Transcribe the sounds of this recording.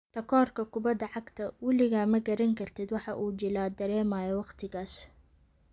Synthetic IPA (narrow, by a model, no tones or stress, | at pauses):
t̪ʰɐkʰɔːrkʰɐkʰʊbɐd̪ɐʕɑɡt̪ʰɐwɪlɪɣaːmɐɡɐɾɐŋkʰɐrt̪ʰɪd̪wɑħɑʔuːt͡ʃɪlaːd̪ɐɾɛːmaːjɔwɑqt̪ʰɪɣaːs